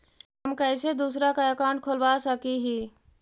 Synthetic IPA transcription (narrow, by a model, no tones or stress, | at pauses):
ɦəmkəjsed̪usɾakaəkaɳʈ̚kʰolbasəkiɦi